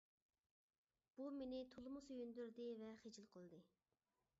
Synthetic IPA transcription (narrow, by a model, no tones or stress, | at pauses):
b̥umenɪt̪ʰolˠmʊsøjynd̪yɾd̪ɪvɛχed͡ʒilˠqʰəlˠd̪ɨ